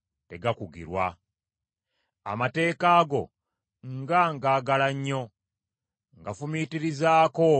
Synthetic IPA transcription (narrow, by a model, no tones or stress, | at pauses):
te̞ɡakuɡḭɾwa | a̰mate̞ːkaːɡo̞̰ | ŋɡaŋɡaːɡalaɲːo̞ | ŋɡafumiːtiɾizaːko̞